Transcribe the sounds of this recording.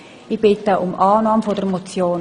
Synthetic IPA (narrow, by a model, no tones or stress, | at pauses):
ib̥ɪtəʔʊmʔɑːnɑːmfodəɾmot͡sjoːn